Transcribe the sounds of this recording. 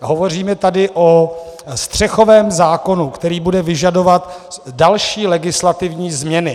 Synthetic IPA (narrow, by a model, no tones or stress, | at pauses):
ɦo̞vo̞r̝iːmɛt̪adɪʔost̪r̝̥ɛxo̞vɛːmzaːko̞nukt̪ɛɾiːbudɛvɪʒado̞vat̪dalʃiːlɛɡɪslat̪ɪvɲiːzmɲɛnɪ